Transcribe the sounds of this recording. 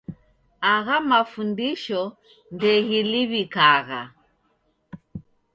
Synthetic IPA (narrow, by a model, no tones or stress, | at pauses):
aɣamafundiʃɔ | ndɛɣiliβikaɣa